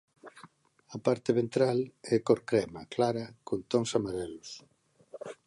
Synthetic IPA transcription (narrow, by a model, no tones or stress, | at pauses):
ɐpaɾt̪eβent̪ɾalɛkoɾkɾɛma̰klaɾakont̪oŋsamaɾɛlʊs